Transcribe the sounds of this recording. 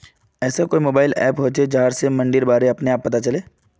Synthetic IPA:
ɛːsakoːimoːbaːɪlɛ̰ːpɦoːt͡ʃed͡ʒɐɦaːɾsemɐ̃ɳɖɪɾbaːɾeɐpneaːpːɐt̪at͡ʃɐleː

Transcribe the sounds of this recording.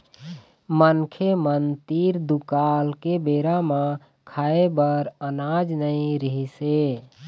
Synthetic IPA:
mənkʰemənt̪iɾd̪ukalkebeɾamã | kʰaebəɾənad͡ʒnəĩɾəɦise

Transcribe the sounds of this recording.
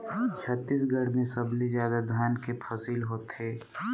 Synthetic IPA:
t͡ʃʰət̪ːiːsɡɐɽmẽsɐblizjaːd̪ad̪ʱaːnkepʰɐsiːlɦoːt̪eː

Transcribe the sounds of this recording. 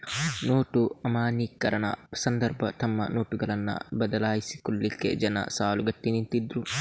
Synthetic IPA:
noːʈuɐmaːniːkːɐɾɐnɐ̰sɐnd̪ɐɾbɐt̪ɐmːɐ̰noːʈʊɡɐlɐnːɐ̰bɐd̪ɐlaːjɪsɪ̥kʊlːɪkːɛ̰d͡ʒɐnɐ̰saːlʊɡɐt̪ːinɪnt̪id̪ɾʊ

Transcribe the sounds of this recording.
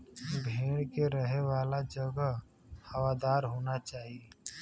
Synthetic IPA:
bʱeːɽkeɾəɦeʋaːlad͡ʒəɡə | hɐʋaːd̪aːɾɦoːnat͡ʃaːɦie

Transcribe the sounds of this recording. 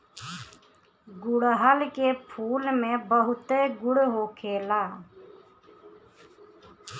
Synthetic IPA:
ɡʊɽɦəlkeːpʰuːlmẽːbəɦʊt̪eːɡʊɽɦoːkʰeːlaː

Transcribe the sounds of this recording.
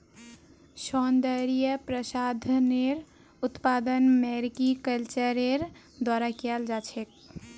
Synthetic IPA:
sɔnd̪əɾijəpɾəsad̪ʱneɾ | ut̪pad̪ənmɛɾikikəlt͡ʃəɾeɾ | d̪waɾakald͡ʒat͡ʃʰek̚

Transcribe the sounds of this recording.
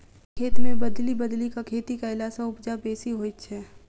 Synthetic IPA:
kʰeːt̪mẽbɐd̪libəd̪likakʰeːt̪ikaɪlaːsaʊpd͡ʒabeːsiɦoːit͡ʃʰɛː

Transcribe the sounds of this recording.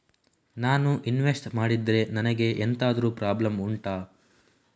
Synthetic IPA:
naːnuʔinʋesʈmaːɽid̪ɾe̞nɐnɐɡe̞ʔent̪ʰaːd̪ɐɾuːpɾaːblɐmuɳʈaː

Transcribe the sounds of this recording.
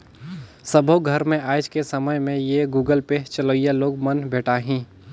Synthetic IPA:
səbʱoɡʱəɾmẽʔaːd͡ʒkesəməjmẽjeɡuːɡəlpet͡ʃəloːijaloːɡmənbʱeːʈaːɦĩː

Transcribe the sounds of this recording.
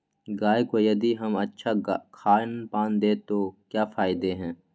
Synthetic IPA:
ɡaːjkojɐd̪iɦɐmɐtːʃʰakʰaːnpaːnd̪eːt̪okjaːfaːɪd̪eɦɛ̃ː

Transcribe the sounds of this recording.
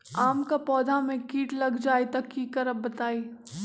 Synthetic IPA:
aːmkapɔːd̪ʱamẽkiːʈlɐɡd͡ʒaːet̪ɐkːiːkɐɾɐb̚ːɐt̪aːiː

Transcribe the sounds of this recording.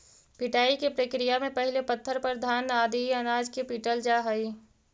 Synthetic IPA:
pɪʈaːikepɾəkɾijamẽpɐɦɪlepɐt̪ʰːəɾpəɾd̪ʱaːnaːd̪iɐnaːd͡ʒkepiːʈəld͡ʒaɦai

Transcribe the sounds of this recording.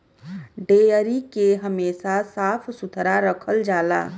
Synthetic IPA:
ɖeːəɾikeɦəmeːsasaːpʰsʊt̪ʰɾaɾəkʰəld͡ʒaːla̰ː

